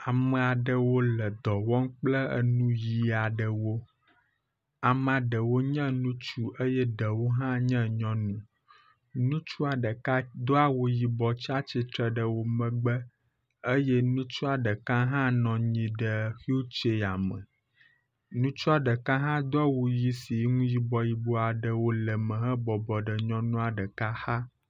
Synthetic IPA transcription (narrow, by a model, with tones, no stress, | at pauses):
a˨mə˨a˨ɖə˨wo˦lə˨d̪ɔ˨wɔ˦ŋk͡plə˦ə̰˨nũ˦ji˨a˨ɖə˨wo˦ | a˨m˦ã˨ɖə˨wo˦ɲɛ̃˦nũ˦t͡ʃu˦ʔə˦jɛ˦ɖə˨wo˦ɦã˦ɲɛ̃˦ɲɔ̃˦nũ˦ | nũ˦t͡ʃu˦a˨ɖə˨ka˦d̪o˦a˦wo˦ji˨bɔ˨t͡ɕi˦a˦t͡ɕi˨t̪ɾə˨ɖə˨wo˦mə̃˨ɡ͡bə˦ | ə˦jɛ˦nũ˦t͡ʃu˦a˨ɖə˨ka˦ɦã˦nɔ̃˨ɲĩ˨ɖə˨xi˦o˦t͡ʃe˨a˨mə̰̃˨ | nũ˦t͡ʃu˦a˨ɖə˨ka˦ɦã˦d̪o˦a˦wo˨ji˦si˨˦ŋũ˦ji˦bɔ˨ji˨bo˨˦a˨ɖə˨wo˦lə˨mə̃˨ɦɛ̃˦bɔ˨bɔ˨ɖə˨ɲɔ̃˦nũ˦a˨ɖə˨ka˦ha˦